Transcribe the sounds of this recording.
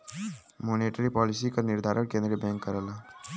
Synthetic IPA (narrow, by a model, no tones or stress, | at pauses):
moːneʈəɾipɔːlɪsikəɾnɪɾd̪ʱaːɾəɳkẽːnd̪ɾibɛ̃ŋkːəɾəla